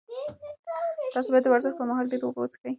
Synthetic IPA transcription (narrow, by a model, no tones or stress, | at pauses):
t̪ɑsobɑjat̪ːəwaɾzɪxpəmaɦɑlɖeɾobot͡skəj